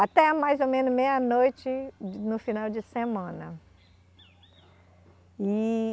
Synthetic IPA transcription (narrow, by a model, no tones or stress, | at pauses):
at̪ɛɐmajzomẽnʊzmejɐnojt͡ʃɪnʊfinawd͡ʒɪsemɐ̃nɐ | ɪ